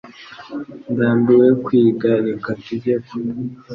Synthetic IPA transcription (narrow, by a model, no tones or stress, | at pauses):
ndaːmbiwekwiɡaɾikateɟeko